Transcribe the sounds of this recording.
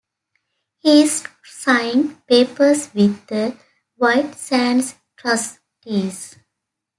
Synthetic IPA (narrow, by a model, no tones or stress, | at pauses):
hiɪz | sãɪɪ̃ŋpeːpəɾsʋɪd̪ə | ʋaɪʈsæ̃ns | ʈɾʌs | ʈiːz